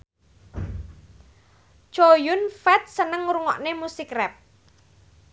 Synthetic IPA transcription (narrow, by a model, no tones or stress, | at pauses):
t͡ʃojʊnfɛt̪̚sənəŋɾuŋɔʔnemusikrɛp̚